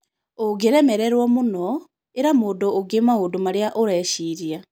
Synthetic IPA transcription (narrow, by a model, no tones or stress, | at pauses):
oɡeɾɛmɛɾɛɾwɔmonɔ | eɾamoːdoːɡemaoːdomaɾeaʔoɾɛʃiɾja